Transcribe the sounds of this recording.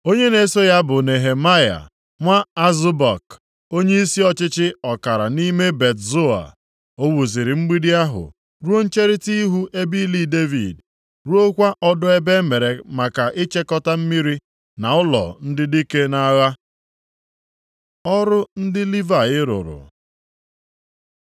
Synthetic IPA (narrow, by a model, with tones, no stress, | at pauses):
o˦ɲe˦ne˨˦so˦ja˦bʊ˨ne˨ɦe˨ma˦ja̰˨ | ŋʷa˦a˦zʊ˦ba˨k | o˦ɲe˦i˦si˦ɔ˦t͡ʃɪ˦t͡ʃɪ˦ɔ˨ka˨ɾa˨ni˦me˦be˨tzo˦a̰˨ | o˦wu˨zi˨ɾɪ˨m̩˦ɡ͡bi˦di˦a˦ɦʊ̰˨ | ɾu˦o˦n̩˦t͡ʃe˦ɾɪ˦ti˦ɦu˦ʔe˦bi˦li˦de˦vḭ˨d | ɾu˦o˦kʷa˦ʔɔ˦dʊ˦e˦be˦me˨ɾe˨ma˨ka˨ʔɪ˦t͡ʃe˦kɔ˦ta˦m̩˦mi˦ɾi˦ | na˨ʊ˦lɔ̰˨n̩˦dɪ˦di˦ke˦na˦ɣa˦ | ɔ˦ɾʊ˦n̩˦dɪ˦li˦va˨ɣɪ˦ɾʊ̰˨ɾʊ̰˨